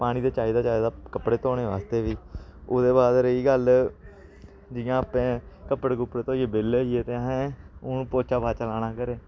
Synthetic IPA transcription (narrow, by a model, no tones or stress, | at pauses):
paːɽ̃ĩːd̪eːt͡ʃaːiːd̪aːt͡ʃaːid̪aːkəpɽeːt̪oːɽeːʋaːst̪eːʋiːʊd̪eːbaːd̪ɾəiːɡəl | d͡ʒɪjãːəpẽːkəpəɽeɡʊpɾeːt̪õːeːbɪliːeːt̪eːɦɛ̃ːʊpoːt͡ʃaːbaːt͡ʃəlaːnaːkəɾeː